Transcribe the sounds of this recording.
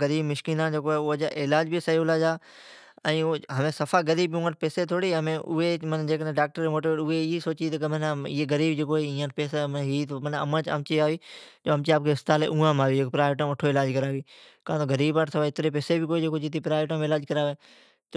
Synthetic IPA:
ɡəɾiːbmɪʃkiːnãːd͡ʒeːkoːeːʊd͡ʒaʔɪlaːd͡ʒbisəɦiʊlaːd͡ʒaː | ɛ̃ːɦəmẽːsəfʰaːɡəɾiːbũːəʈ̚pɛːseːt̪ʰoːɽiːɦəmẽːʔʊ̰ɦemənd͡ʒeːkəd̪ẽːɖaːk̚ʈəɾeːmoːʈiʋeːʈʊeɪisoːt͡ʃit̪əkəmənɪ̰ːeɡəɾiːbd͡ʒeːkoːɦeĩːə̃ʈ̚peːsamɦiːt̪mənə̰mət͡ʃə̰mt͡ʃiːaːʋiːd͡ʒoːəmt͡ʃiaːp̚kʰeɪst̪aːlḛːʔũːãːmaːʋiːd͡ʒeːkːpɾaːɪʋʈ̬õːmʋəʈʰoːɪlaːd͡ʒkəɾaːʋiː | kãːt̪oːɡəɾiːbaːʈsəfaːɪt̪ɾeːpeːsebɪkoːed͡ʒeːkoːd͡ʒɪt̪iːpɾaːɪʋʈõːmɪlaːd͡ʒkəɾaːʋeː | t̪

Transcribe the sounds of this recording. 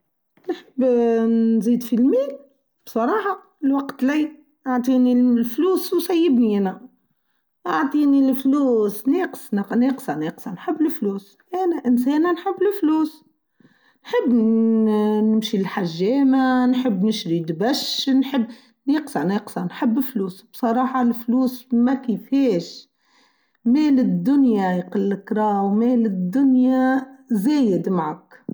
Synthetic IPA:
nħəbːnzid̪filmiːl | b̥sˤɑɾˤɑːħɑ | lwɑqt̪lij | ʔaʕt̪ˤinilfluːswsæjːəbniʔænæ | ʔaʕt̪ˤinilfluːsniqsnneqsɑneqsɑnħəbːləfluːs | ʔænæʔənsɛnænħəbːlɪfluːs | nħɪbː | nɪmʃilħaʒːeːmanħɪbːnɪʃɾid̪bæʃnħəbː | neqsɑʕneqsɑnħɪbːɪlfluːsbsˤɑɾˤɑːħɑlfluːsmækifɛːʃ | mɛːlɪd̪ːʊnjajqəlːɪkɾˤɑːwmeːlɪd̪ːʊnjazæːjɪd̪maʕak

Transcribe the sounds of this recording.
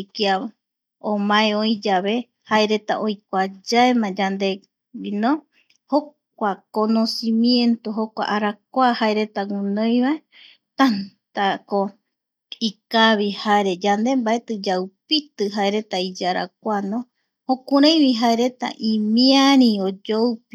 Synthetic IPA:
kia | õmãẽõĩd͡ʒaβe̞ | haeɾe̞t̪aʔojkʷad͡ʒaemãd͡ʒand̪e̞ | winõ | ho | k̚ʷakono̞simjẽ̞nt̪oɦokʷa̰ʔaɾak̚ʷahaeɾe̞t̪aŋunõj̃βae | t̪ant̪ako | ikaβihaeɾe̞d͡ʒand̪e̞mbaet̪ɨd͡ʒawpit̪ɨɦaeɾe̞t̪aid͡ʒaɾa̰k̚ʷanõ | hõkuɾãj̃βiɦaeɾe̞t̪a̰ʔĩmiaɾĩod͡ʒowpi

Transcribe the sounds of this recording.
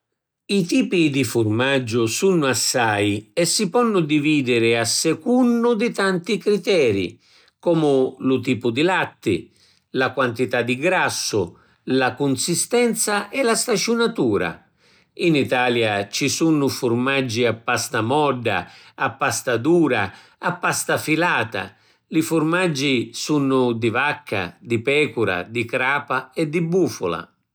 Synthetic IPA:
it̪iːpid̪ifʊrmad͡ʒːʊsunːʊasːajɛsːipɔnːʊd̪iviːd̪ɪɾɪasːɛkunːʊd̪ɪt̪ant̪ikɾit̪ɛːɾḭ | kɔːmʊlʊt̪̬iːpʊd̪ilat̪ːɪ̰ | lakwant̪it̪ad̪iɡɾasːʊ | lakunsist̪ɛnt̪saʔɛlast̪at͡ʃunat̪uːɾa̰ | init̪aːljat͡ʃisunːʊfurmad͡ʒːiapːast̪amɔɖːa̰apːast̪ad̪uːɾa | apːast̪afilaːt̪a̰ | lifurmad͡ʒːisunːʊd̪ivakʰːa̰d̪ipɛːkuɾa̰d̪ikɾaːpaɛd̪ːibːuːfʊ̰la̰

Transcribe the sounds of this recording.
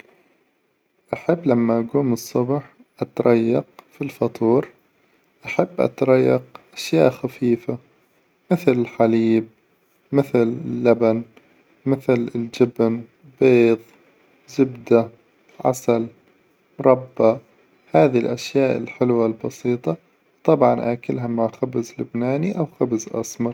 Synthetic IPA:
ʔaħɪbːlamːaʔaɡuːmɨsˤːʊbħ | ʔat̪ɾˤɑjːɑqfilfɑt̪ˤuːɾ | ʔaħabːʔa̰t̪ɾˤɑjːɑqʔaʃjaːʔxafiːfa | mɪθlɪlħaliːb̚ | mɪθlɪlːaban | mɪθlɪld͡ʒɪbn | beːðˤ | zɪbd̪a | ʕa̰sal | mɾˤɑbːa | haːðilʔaʃjaːʔɪ̰lħɪlwalbɑsiːt̪ˤɑ | wt̪ˤɑbʕɑnʔaːkɪlɦamaʕxabzlʊbnaːniʔawxabzʔɑ̰sˤmɑɾˤ

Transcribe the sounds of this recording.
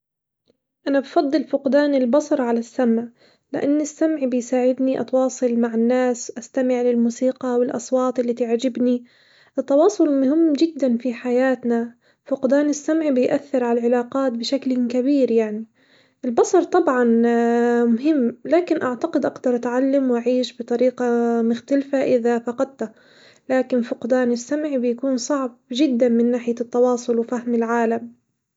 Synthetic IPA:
ʔanabfɑd̪ˤːɨlfʊqd̪aːnɪlbɑsˤɑɾˤʕalasːamʕ | lɪʔanːɪsːamʕbɪjsaːʕɪd̪niʔɑ̰t̪wɑːsˤɨlmaʕɪnːaːsʔast̪amɪʕlɪlmuːsiːqɑwɪlʔɑsˤwɑːt̪ˤɪlːiːt̪ɪʕd͡ʒɪbni | ʔɨt̪ːɑwɑːsˤʊlmʊhɪmːd͡ʒɪd̪ːanfiħajaːt̪na | fʊqd̪aːnɪsːamʕbɪjʔaθːɪɾʕalalʕɪlaːqɑːt̪̚bɪʃaklkabiːɾjaʕni | ʔɪlbɑsˤɑɾˤt̪ˤɑbʕɑn | mʊɦɪmːlaːkɪnʔaʕt̪aqɪd̪ʔaɡd̪ɑɾˤʔat̪ʕalːamwʔaʕiːʃbɨt̪ˤɑɾiːqɑmʊxt̪alfaʔɪðafɑqɑd̪̚t̪a | laːkɪnfʊqd̪aːnɪsːamʕibɪjakuːnsˤɑʕb̚d͡ʒɪd̪ːanmɪnːaːħɪjat̪ːɑwɑːsˤʊlwfahmɪlʕaːlam

